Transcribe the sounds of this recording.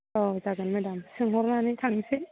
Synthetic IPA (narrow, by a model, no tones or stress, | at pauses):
ɔzaɡɯnmɛdamsɯŋɦɔɾnanɯtʰaŋse